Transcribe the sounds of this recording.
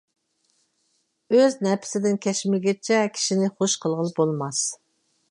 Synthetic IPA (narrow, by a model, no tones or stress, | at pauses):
øznɛpʰɪ̥sɪd̪ɪnkʲʰɛʃmɪlɡʲɛt͡ʃʰɛkʲʰi̥ʃinɪχoʃqʰəlˠʁəlˠbolˠmɑs